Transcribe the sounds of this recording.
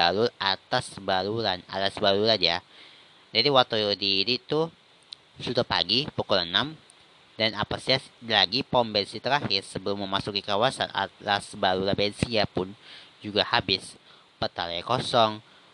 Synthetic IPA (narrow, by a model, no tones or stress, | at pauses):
baɾʊlat̪asbaɾuɾana̰t̪asbaɾuɾanja | d͡ʒadiwat̪udiːnit̪u | sutapa̰ɡipukulənam | danapasalaɡipɔmbɛnsit̪əɾahɪrsəbəlʊmːəmasukikawasa̰na̰t̪asbaɾuɾanbɛnsiapʊnd͡ʒuɡahabɪs | pət̪a̰lajkosɔŋ